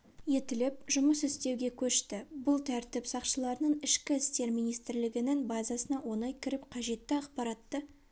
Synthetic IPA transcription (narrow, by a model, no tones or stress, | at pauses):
je̞t̪ɪlɪp̚ʒʊməsɪst̪e̞wɡʲe̞kʲʰɵʃt̪ɪbʊlˠt̪ʰæɾt̪ɪpsɑqʃəlˠɑɾənəɴɪʃkʲɪɪst̪e̞ɾmijnijst̪ɾlɪɡʲɪnɪŋbɑzɑsənɑwo̞nɑjkʲʰɪɾɪpqʰɑʒe̞t̪ːɪɑqpɑɾɑt̪ːə